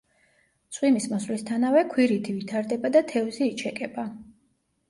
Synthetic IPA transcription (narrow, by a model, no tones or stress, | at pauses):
t̪sʼχʼwimismɔslist̪ʰanavɛkʰwiɾit̪ʰivit̪ʰaɾd̪ɛbad̪at̪ʰɛvziːt͡ʃʰɛkʼɛba